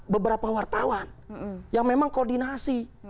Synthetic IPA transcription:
bəbəɾapawart̪awanjaŋmemaŋkordinasi

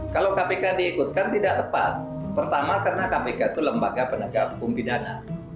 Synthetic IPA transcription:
kalawkapekadiːkut̪̚kant̪idaʔt̪əpa̰t̪̚ | pərt̪amakərənakapekat̪uləmbaɡapənəɡaukumpidana̰

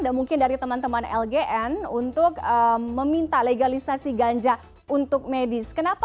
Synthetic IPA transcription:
damuŋkɪndaɾit̪əmant̪əmanɛ̰lɡeʔɛnunt̪ʊk̚əməmint̪aleɡalisasiɡaɲd͡ʒa | unt̪ʊk̚medɪskənap

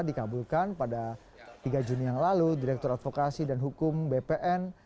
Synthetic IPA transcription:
dikabulkanpada | t̪iɡad͡ʒunijaŋlaludiɾɛk̚t̪ɔɾat̪̚fokasidanɦukʊmbepeʔɛn

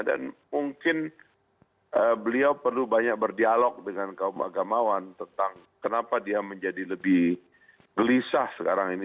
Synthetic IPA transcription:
da̰nmuŋkɪn | ʔəbəliawpərlubaɲak̚bərdialɔk̚dəŋankaʊmʔa̰ɡamawant̪ənt̪aŋ | kənapadiaməɲd͡ʒadiləbɪh | ɡəlisasə̥kaɾaŋini

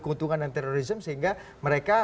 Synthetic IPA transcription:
kunt̪uŋandant̪eɾoɾisəmsəɦiŋɡa | məɾeka

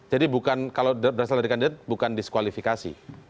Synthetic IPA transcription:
d͡ʒadibukankalawdbəɾasaldaɾikandidat̪̚bukandiskwalifikasḭ

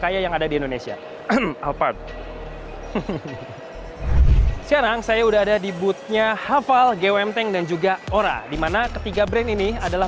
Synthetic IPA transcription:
kajajaŋadadiindonesia̰ | alpad | səkaɾaŋsajaudaɦadadibut̪̚ɲahafalɡewɛmt̪ɛŋdand͡ʒuɡaoɾa̰dimanakət̪iɡabɾɛniniadala

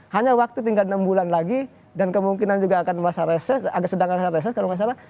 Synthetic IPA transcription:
haɲawak̚t̪ut̪̬iŋɡalnambulanlaɡi | dankəmuŋkinand͡ʒuɡaːkanmasaɾɛsɛsaɡsədaŋasaɾɛs̬ɛskaluŋas̬aɾa

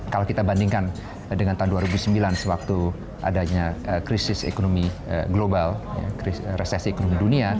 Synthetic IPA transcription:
kalawkit̪abandiŋkan | dəŋant̪aunduaɾəbusəmbilansəwak̚t̪u | ʔa̰daɲaəkɾisɪsḛkonomḭɡlobalja̰kiɾesɛsiekonomidunia

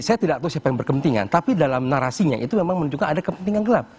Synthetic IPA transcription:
sajat̪idak̚t̪ausiapajaŋbərkəpənt̪iŋa̰nt̪apidalamnaɾasiɲaʔit̪umemaŋmənuɲd͡ʒukanadakəpənt̪iŋanɡəlap̚

